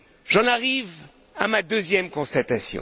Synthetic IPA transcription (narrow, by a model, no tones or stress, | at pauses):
ʒɑ̃naʁiv | a̰mad̪øzjɛmkɔ̃st̪at̪asjɔ̰̃